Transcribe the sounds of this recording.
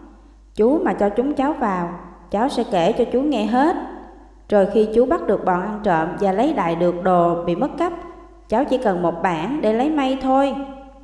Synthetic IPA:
t͡ɕu˨˦maː˨˩t͡ɕɔ˧t͡ɕʊ˨˦ŋ͡mt͡ɕaː˨˦wvaː˨˩wt͡ɕaː˨˦wsɛ̰˧˥ke˧˩t͡ɕɔ˧t͡ɕu˨˦ŋɛ˧ɦe˦˥t̚ | zo˨˩jxi˧t͡ɕu˨˦ɓa˦˥t̚ɗɨ˨˩ək̚ɓɔ̰˨˩nʔa˧nt͡ɕə̰ː˧˨mvaː˨˩lə˨˦jɗa̰ː˧˨jɗɨ˨˩ək̚ɗo˨˩ɓḭ˧˨mə˦˥t̚kə˦˥p̚ | t͡ɕaː˨˦wt͡ɕi˧˩kə˨˩nmo˨˩t̚ɓaː˧˩nɗe˧˩lə˨˦jma˧jt̪ʰo˧j

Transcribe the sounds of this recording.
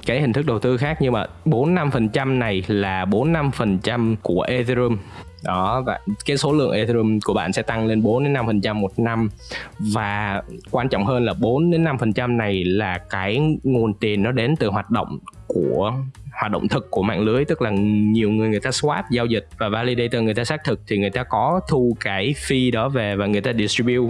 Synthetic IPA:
kaː˨˦jhi˨˩ŋ̟t̪ɨ˦˥k̚ɗə˨˩wt̪ɨ˧xaː˦˥k̚ɲɨ˧məaː˧˨˩ɓo˨˦nːa˧mfə˨˩nt͡ɕa˧mna˨˩jlaː˨˩ɓo˨˦nːa˧mfə˨˩nt͡ɕa˧mku˧˩əʔe˧zzɨ˧m | ɗɔ˨˦va˧˨˩kaː˨˦jso˨˦lɨ̰˧˨əŋʔe˧zɨ˧mku˧˩əɓa̰ː˧˨nsɛ̰˧˥t̪a˧ŋle˧nɓo˨˦nɗe˨˦nːa˧mfə˨˩nt͡ɕa˧mːo˨˩t̚na˧mvaː˨˩kwaː˧nt͡ɕɔ̰˧˨wŋ͡mhəː˧nlaː˨˩ɓo˨˦nɗe˨˦nːa˧mfə˨˩nt͡ɕa˧mna˨˩jlaː˨˩kaː˨˦jŋo˨˩nt̪i˨˩ənːɔ˨˦ɗe˨˦nt̪ɨ˨˩ɦwaː˨˩t̚ɗo̰˧˨wŋ͡mku˧˩əhaː˨˩t̚ɗə̰˧˨wŋ͡mt̪ʰɨ˨˩kkːu˧˩əma̰ː˧˨ŋlɨ˨˦əjt̪ɨ˦˥k̚laː˨˩ɲi˨˩əwŋɨ˨˩əjŋɨ˨˩əjt̪aː˧swaː˦˥t̚zaː˧wzï˨˩k̟̚vaː˨˩vaː˧li˧ɗə˧jt̪əː˧˩ŋ˨˩əjt̪aː˧saː˦˥k̚t̪ʰɨ˨˩k̚t̪ʰi˨˩ŋɨ˨˩əjt̪aː˧kɔ˨˦t̪ʰu˧kaː˨˦jfi˧ɗɔ˨˦ve˨˩vaː˨˩ŋɨ˨˩əjt̪aː˧ɗi˨˩si˧ɓi˧w

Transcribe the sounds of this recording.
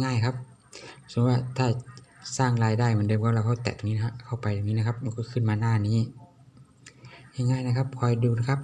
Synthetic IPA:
ŋaː˧˥˨jkʰa˦˧˥p̚ | su˧˦waː˧˩t̪ʰaː˧˩saː˧˩ŋlaː˧˩jdaː˧˩˨jma˧˥˨de˧˨kɔː˧˦˨laː˧˩kʰa˧˥˩wt̪ɛ̰ː˨˩t̪ʰːŋniː˧kʰa˧˩wpa˨jt̪o˧ŋniː˧˥˨kʰa˧˥p̚mː˧˨kʰu˧˥˩kʰɯ˧˩˨nmaː˧˨naː˧˩˨niː˧˥˩ | ɲa˧˨ŋaː˧˩˨jna˧kʰa˧˥p̚kʰɔ˧˩jduː˧na˧˩kʰa˦˥p̚

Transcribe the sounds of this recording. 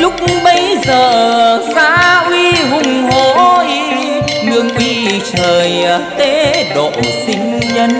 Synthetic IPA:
lʊ˦˥k͡p̚ɓə˧˦jzəː˨˩saː˧˥ʔwi˧ɦʊ˨˧˩ŋ͡mɦo˧˩i˧ | ŋɨ˧əŋʔwi˧t͡ɕəː˨˩jt̪e˧˦ɗo̰˧˨sï˧˦ŋ̟ɲə˧n

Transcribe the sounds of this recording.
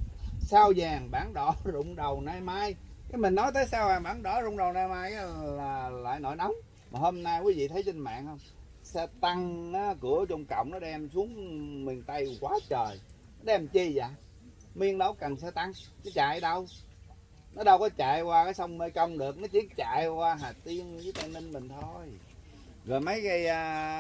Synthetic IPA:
saː˧wzaː˨˩ŋɓaː˧˩ŋɗɔ˧˩˦zʊ̰˧˨wŋ͡mɗə˨˩wnaː˧jmaː˧j | kaː˨˦jmï˨˩ŋ̟nɔ˨˦jt̪əː˨˦jsaː˧wzaː˨˩ŋɓaː˧˦ŋɗɔ˧˩zʊ̰˧˥wŋ͡mɗə˨˩wnaː˧jmaː˧jlaː˨˩la̰ː˧˨jno̰˧˩˦jna˨˦wŋ͡m | maː˨˩ho˧mna˧jkwi˨˦vḭ˧˨t̪ʰə˨˦jsï˧ŋ̟ma̰ː˧˨ŋhə˧wŋ͡m | sɛ˧˩t̪a˧ŋaː˨˦kɨ˧˩ət͡ɕɔ˧wŋ͡mkə̰˧˨wŋ͡mnɔ˨˦ɗɛ˧msu˨˦˥əŋmï˨˩ŋ̟t̪a˧jkwaː˨˦t͡ɕəː˨˩j | n˦ɗɛ˧mt͡ɕi˧zaː˨˩˨ | mi˧əŋɗə˨˦wkə˨˩nsɛ̰˧t̪a˧ŋki˨˦t͡ɕaː˧˨jɗə˧w | nɔ˨˦ɗə˧wkɔ˨˦t͡ɕa̰ː˧˨jkwaː˧kaː˨˦jsa˧wŋ͡mme˧jkə˧wŋ͡mɗɨ˨˩ək̚nɔ˨˦t͡ɕi˧˦t͡ɕa̰ː˧˨jkwaː˧ɦaː˨˩t̪i˧ənzɨː˨˦t̪a˧˩mə˧nmï˨˩ŋ̟t̪ʰo˧j | ɣɔː˨˩jmə˨˦jɣə˧jaː˧

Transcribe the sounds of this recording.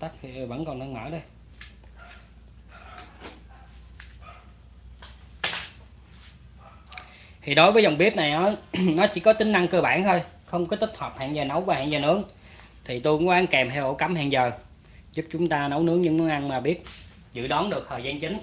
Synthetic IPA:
t̪ə˦˥k̚i˧˨˩və̰˧˥nkɔ˨˩nnə˧nmə̰ː˧˩ɗə˧j | t̪ʰi˨˩ɗo˨˦jvəː˨˦jzə˨˩wŋ͡mɓi˦˥əp̚na˨˩jʔɔ˨˦nɔ˨˦t͡ɕḭ˧˩kɔ˨˦t̪ï˨˦ŋna˧ŋkəː˧ɓa̰ː˧˥˨nhəː˧jxə˧wŋ͡mkɔ˨˦t̪i˦˥k̚hʰwə˨˩p̚hɛ̰ː˧˨ŋzəː˨˩nə˨˦wvaː˨˩ha̰ː˧˨ŋzəː˨˩nɨ˨˦˥əŋ | t̪ʰi˨˩t̪u˧ka˧ʔa˧nkɛ˨˩mt̪ʰɛ˧wʔo˧˥ka˨˦mhɛ̰˧˨ŋzəː˨˩ | zu˦˥p̚t͡ɕʊ˨˦ŋ͡mt̪aː˧nə˨˦wnɨ˨˦˥əŋɲɨ̰˧˥ŋnɨ˨˦əŋʔa˧nmaː˨˩ɓi˦˥ət̚ | zɨ̰˧˨ɗɔ˨˦nɗɨ˨˩ək̚t̪ʰəː˨˩jza˧nt͡ɕï˨˦ŋ̟

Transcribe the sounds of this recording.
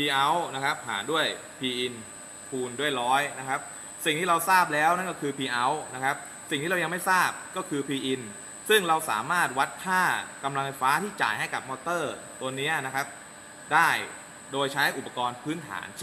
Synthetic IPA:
pʰiː˧ʔa˦˥wna˦˥kʰa˦˥p̚ha̰ː˩˦du˥˩əj | pʰiː˧ʔi˧n | pʰuː˧ndu˥˩əjɾɔː˦˥jna˦˥kʰa˦˥p̚ | si˨˩ŋt̪ʰiː˥˩ɾa˧wsaː˥˩p̚lɛː˦˥wna˥˩kɔː˥˩kʰɯː˧pʰiː˧ʔa˦˥wna˦˥kʰa˦˥p̚ | si˨˩ŋt̪i˥˩ɾa˧ja˧ma˥˩jsaː˥˩p̚kɔː˥˩kʰɯː˧pʰiː˧ʔi˧n | sɯ˥˩ŋɾa˧wsa̰ː˩˦maː˥˩t̪̚wa˦˥t̪̚ʰːaː˥˩ka˧mla˧ŋfʰa˧jfaː˦˥t̪ʰiː˥˩t͡ɕa̰ː˨˩jɦa˥˩jka̰˨˩p̚mɔː˧t̪ɤː˥˩ | t̪u˧ənːi˦˥ɐna˦˥kʰa˦˥p̚ | daː˥˩j | doː˧jt͡ɕʰa˦˥jʔu˨˩pːa˧kɔː˧npʰɯː˦˥nt̪ʰa̰ː˩˦ns

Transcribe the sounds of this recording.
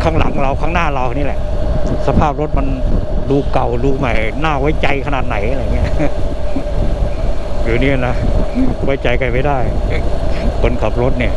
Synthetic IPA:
kʰaː˥˩ŋla̰˩˦ŋɾa˧wkʰaː˥˩ŋnaː˥˩ɾa˧wa˧˩niː˦˥˩lɛ̰˨˩ʔsa˧pʰaː˥˩p̚ɾo˦˥t̪̚ma˧nduː˧ka˨˩wduː˧ma˨˩jnaː˥˩wa˦˥˩jt͡ɕa˧jkʰa˧naː˨˩t̪̚na˨˩˦jʔa˧ɾa˧˨˩ŋːi˦˥˩ɐʔ | juː˨˩niː˦˥˨na˦˥wa˦˥˩jt͡ɕa˧jkʰa˧˩jpa˥˩jdaː˥˩j | ko˧nkʰaː˨˩p̚ɾo˦˥t̪̚ni˥˩ɐ

